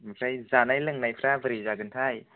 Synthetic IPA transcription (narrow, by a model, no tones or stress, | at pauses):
makʰajzanajlɯŋnajpʰɾavəɾizaɡɯntʰaj